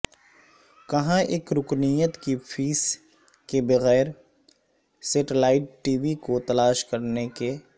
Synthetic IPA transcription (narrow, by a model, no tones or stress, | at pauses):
kɐɦãʔeːkɾʊknijət̪kifʰiːs | kebɐɣɛːɾ | seːʈɪlaːɪʈʈiːʋikot̪ɐlaːʃkɐɾneke